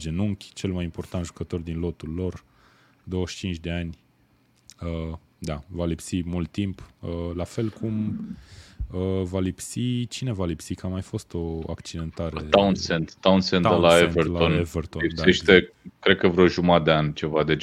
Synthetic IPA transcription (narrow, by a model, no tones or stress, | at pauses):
d͡ʒenuŋkʲt͡ʃe̞lmajimpo̞rt̪ant̪ʒukət̪o̞rd̪inlo̞t̪ulːo̞r | d̪o̞wəʃt͡ʃint͡ʃʲd̪e̞anʲ | ə | d̪avalipsimult̪ːimpəlafe̞lkʰum | əvalipsit͡ʃine̞valipsikamajfo̞st̪o̞a̰kt͡ʃid̪e̞nt̪aɾet̪awnsent̪t̪ːawnsenlaevert̪lonevert̪olip̪dsaeʃt̪ekɾed̪̚kəvɾoʒumad̪eanʲt͡ʃe̞vad̪e